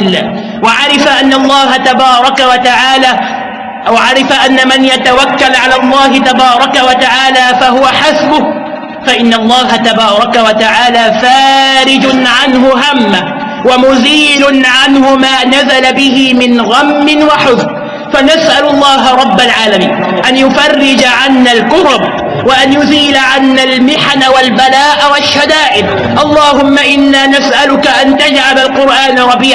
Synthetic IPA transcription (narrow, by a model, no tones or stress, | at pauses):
ɪlːa̰ː | waʕaɾɪfaʔanːaɑlˤːɑːɦat̪abɑːɾˤɑkawat̪aʕaːla | wʕaɾɪfaʔanːamanjat̪awakːalʕalaːlˤːɑːɦɪt̪abɑːɾˤɑkawat̪aʕaːlaːfaɦʊwaħasbʊh | faʔɪnːalˤːɑːɦat̪abɑːɾˤɑkawat̪aʕaːlaːfaːɾɪd͡ʒʊnʕanɦʊɦamːa | wamʊziːlʊnʕanhʊmaːnazalabɪhɪmɪnɣamːɪnwaħʊzɾ | fanasʔalʊlˤːɑːɦaɾˤɑbːalʕaːlamiːn | ʔanjʊfɑrːɪd͡ʒaʕanːalkʊɾʊb | waʔanjʊziːlaʕanːalmɪħanawalbalaːʔawaʃːad̪aːʔɪb̚ | ʔɑlˤːɑːɦʊmːaʔɪnːaːnasʔalʊkaʔant̪ad͡ʒʕalalqʊɾʔaːnɾˤɑbiːʕ